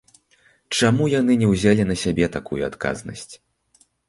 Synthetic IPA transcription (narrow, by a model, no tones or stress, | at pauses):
t͡ʂamujanɨnʲɛwzʲalʲinɐsʲabʲɛt̪akujuat̪ka̰znɐ̰sʲt͡sʲ